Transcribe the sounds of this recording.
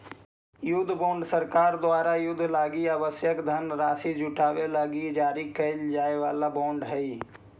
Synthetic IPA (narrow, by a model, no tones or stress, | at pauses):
jʊd̪ʱːbɔ̃ːɳɖsəɾkaːɾd̪ʊaːɾajʊd̪ʱːlaːɡiaːʋəsjəkd̪ʱənɾaːsid͡ʒʊʈʰaːʋelaːɡid͡ʒaːɾikɐld͡ʒaːeʋaːlabõːɳɖɦɛi